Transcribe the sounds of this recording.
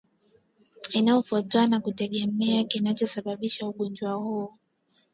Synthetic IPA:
inaɔfɔtɔanakutɛɠɛmɛakinat͡ʃɔsaɓaɓiʃauɠɔnd͡ʒwahuɔ

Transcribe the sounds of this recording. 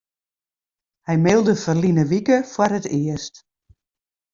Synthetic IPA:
hɛjmɪlˠdəfərlinəʋikəfwarɦətɪəst

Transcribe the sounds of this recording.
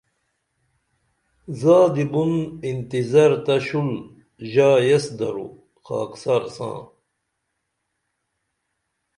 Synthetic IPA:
zaːd̪ibunint̪izɐɾt̪ɐɕul | ʑaːjesd̪ɐɾṵ | xa̰ːksaɾsã̰ː

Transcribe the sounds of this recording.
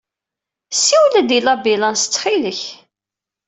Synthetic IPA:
siwləd̪ilɑbilɑnst͡sːχiləç

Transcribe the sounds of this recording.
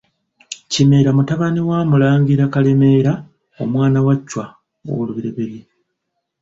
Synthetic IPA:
cime̞ːɾamutaβaniwaːmulaːŋɡiɾakalemeːɾa | o̞mwaːnawacːwa | o̰luβiɾeβeɾi

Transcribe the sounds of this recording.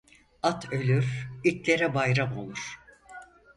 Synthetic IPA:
at̪ʰø̞lʲyɾitʲlʲe̞ɾɛbajɾamo̞̰lˠuɾ̥

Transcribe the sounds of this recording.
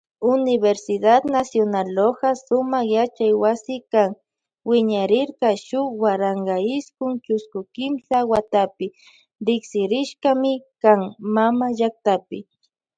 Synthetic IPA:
ʊnɪbeɾsɪd̪at̪nasjonaloɢɑsʊmɑχjat͡ʃajwasɪkaŋ | wɪɲaɾɪɾɢɑʃʊwaɾɑɴɢɑɪskʊŋt͡ʃʊskʊkɪmsawat̪apɪ | ɾɪksɪɾɪʃkɑmɪkaŋmamaʒak̚t̪apɪ

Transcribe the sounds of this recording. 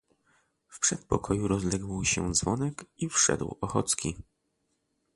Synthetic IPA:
fpʂɛt̪̚pɔkʰɔjuɾɔzlɛɡwɕɛ̰d̪zvɔnɛkifʂɛ̰d̪wɔxɔ̰t̪skʲi

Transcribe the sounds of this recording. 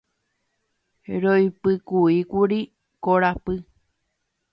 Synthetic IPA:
ɾojpɨkuikuɾi | koɾapɨ

